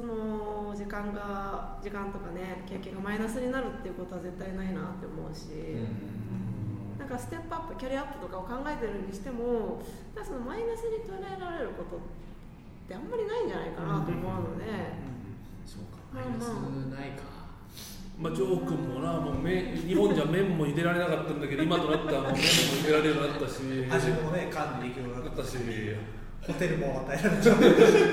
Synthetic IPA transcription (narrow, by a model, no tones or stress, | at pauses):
so̞no̞d͡ʑikãŋɡa | d͡ʑikãnt̪o̞kane̞kʲekːẽ̞ŋɡamainasɨɲ̟inaɾɯ̟t̪ːeiɯ̟ko̞t̪o̞aze̞t̪ːainainat̪ːe̞omo̞ɯ̟ɕi | nãŋkasɨ̥t̪e̞pːɯ̟apːɯkʲaɾʲiapːɯ̥t̪o̞kaokãŋɡae̞t̪e̞ɾɯ̟nɲiɕi̥t̪e̞mo̞nãŋkːaso̞no̞mainasɨɲ̟it̪o̞eɾaeɾaɾe̞ɾɯ̟ko̞t̪o̞ | t̪ːe̞ãmːaɾʲinaiɲd͡ʑanaikanat̪o̞omo̞ɯ̟̃no̞ne̞ɯ̃ | so̰ːkḁɯnaika | mat͡ɕoːkɯ̟mːonamoːmẽɲiɦõɲd͡ʑamẽ̞mːo̞ɲʲid̪e̞ɾaɾe̞nakat̪ːaɯ̃nd̪aked̪oimat̪o̞nat̪ːanomẽmoid̪e̞ɾaɾejonat̪ːaɕiaonekãnːeikʲeoakat̪ːaɕi | ot̪eɾɯ̟moat̪aeɾaɾeo